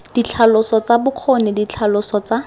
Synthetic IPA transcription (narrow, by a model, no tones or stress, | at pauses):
d̥it͡ɬʰalʊsɔt͡sabʊq͡χʰɔnɪdit͡ɬʰalʊsɔt͡sa